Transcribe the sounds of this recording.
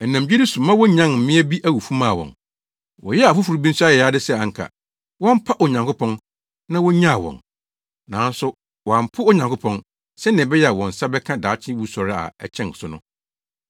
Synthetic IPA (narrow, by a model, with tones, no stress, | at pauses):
ɛ˨nã˨md͡ʑᶣi˦dɪ˦sʊ̃˨mã˦wɔ˦ɲã˦nm̩˨mɪ̃˦æ˦bi˦ʔæ˦˨wu˨fu˦mãː˦˨wɔ̰̃˨n | wɔ˨jɛ˦a˨fʊ˦fu˨ɾu˨bĩ˦n̩˦su˦a˦jɛ˨a˦dɪ˦sɛ˦˨a˨ŋ̩˨kʰa̰˨ | wɔ̃˦m̩˦pʰa˦ʔo˨ɲã˨ŋkʊ˦pʰɔ̃˦n | nã˦wɔ˦ɲã˦a˨wɔ̰̃˨n | nã˨˦n˦sʊ˦ | wɔ˨a˨m̩˨pʰʊ˦ɔ˦ɲã˨ŋkʊ˦pʰɔ̃˦n | sɛ˦nɪ̃˨bɛ˦jɛ˦˨a˨wɔ̃˨n̩˨sa˦bɛ˦kʰã˦daː˨˦t͡ɕʰɪ̃˦wu˦sɔ˨ɾɪ˦a̰˨ɛ̰˨t͡ɕʰɛ̃˦n˨sʊ˦nʊ̰̃˦